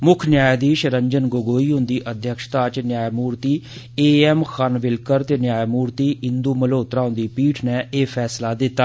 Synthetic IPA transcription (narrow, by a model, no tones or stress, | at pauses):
mʊkʰnjaːjd̪iːʃəɾəɲd͡ʒənɡoɡoːiːɦʊ̃nd̪iːʔəd̪ʱjəkʃt̪aːt͡ʃnjaːjmuːɾt̪iː | eːɛːmxʰanʋɪlkəɾt̪eːnjaːjmuːɾt̪iːɪnd̪uːməloːt̪ɾãːʊ̃nd̪iːpiːʈʰnɛːeːpʰɛːslaːd̪ɪt̪ːaː